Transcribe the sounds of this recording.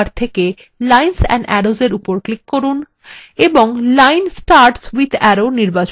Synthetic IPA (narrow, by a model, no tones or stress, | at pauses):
ɾt̪ʰeke | lajnsɛ̰̃nɖɛɾozeɾupoɾklikːoɾun | eboŋlajnsʈaɾʈswid̪ʱɛɾoniɾbat͡ɕ